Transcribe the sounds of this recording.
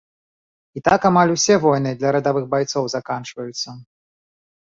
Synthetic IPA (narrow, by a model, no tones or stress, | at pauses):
it̪akamalʲusʲɛvɔjnɨd̪lʲɐɾɐd̪avɨxbajt̪sɔwzakant͡ʂvɐjut̪sːɐ